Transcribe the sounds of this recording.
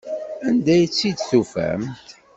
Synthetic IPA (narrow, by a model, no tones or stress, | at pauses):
ænd̪æjət͡sːid̪θufæ̰mt̪